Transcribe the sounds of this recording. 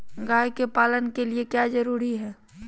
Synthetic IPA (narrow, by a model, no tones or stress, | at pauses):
ɡaːjkepaːlənkeliekjad͡ʒəɾuːɾiɦɛː